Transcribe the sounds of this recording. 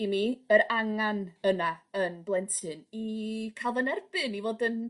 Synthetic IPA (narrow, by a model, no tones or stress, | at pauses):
imiəɾaŋanənaənblˠɛntʰɨnikʰalˠvənɛrb̥ɨnivoːdən